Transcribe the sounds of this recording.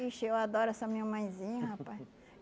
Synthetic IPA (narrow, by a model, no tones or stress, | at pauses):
iʃewad̪ɔɾʊɛsɐmĩɲɐmɐ̃j̃zĩɲɐhapaj